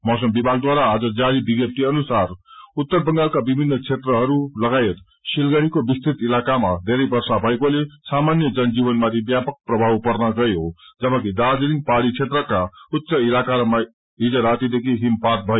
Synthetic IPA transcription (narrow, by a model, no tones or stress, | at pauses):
mʌsʌmbibʱaɡ̚d̪waɾaːd͡zʌd͡zaɾibiɡjep̚t̪iʌnusarut̪ːʌrbʌŋɡalkabibʱinːʌt͡sʰet̪rʌɦʌɾulʌɡajet̪ | silɡaɾikobist̪ʰit̪ilakamad̪ʱeɾʌjbʌrsabʱʌekolesamanjʌd͡zʌnd͡zibʌnmat̪ʰibjapʌk̚prʌbʱawpʌrnʌɡʌjod͡zʌbʌkid̪ad͡zeɾiŋɡpaɽit͡sʰet̪rʌkaut̪ːsʌilakaɾʌma | id͡zʌɾat̪id̪ekʰiɦimpat̪̚bʱʌjo